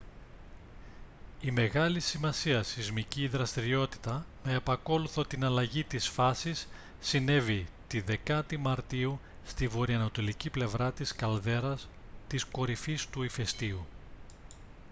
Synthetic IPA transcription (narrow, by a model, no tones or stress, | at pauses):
ime̞ɣɐlisimɐsiɐsizmiciːðɾɐst̪iɾio̞t̪i̥t̪ɐmeːpɐko̞luθo̞t̪inɐlɐʝit̪isfɐsisː | ine̞vit̪iðe̞kɐt̪imɐɾt̪iu | st̪ivo̞ɾiɐnot̪o̞liciple̞vɾɐt̪iskɐlðe̞ɾɐs | t̪isko̞ɾifist̪uife̞st̪iu